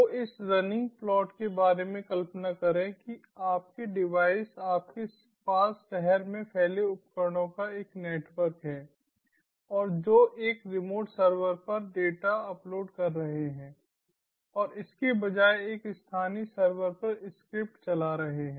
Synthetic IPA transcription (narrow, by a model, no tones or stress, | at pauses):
ʋoɪsɾɐnɪ̃ŋɡ̚plɔːʈkebaːɾemẽkɐlpənakɐɾẽki | aːp̚keɖɪʋaːɪsaːp̚kes | paːsʃɛɦɛɾmẽpʰɛːleʊp̚kəɾɽ̃õkaeːkneːʈʋəɾkɦɛ̃ː | ɔːɾd͡ʒoːʔeːkɾɪmoːʈsəɾʋəɾpɐɾɖeːʈaɐploːɖkɐɾːɐɦeɦɛ̃ː | ɔːɾɪskebɐd͡ʒaːeeːkst̪ʰaːnisəɾʋəɾpɐɾɪskɾɪp̚ʈt͡ʃɐlaɾɐɦeɦɛ̃ː